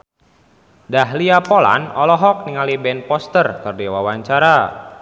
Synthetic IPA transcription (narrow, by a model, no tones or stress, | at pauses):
daɦliapɔla̰nɔlɔɦɔk̚niŋalibɛnpɔst̪ərkərdiwawaɲt͡ʃaɾa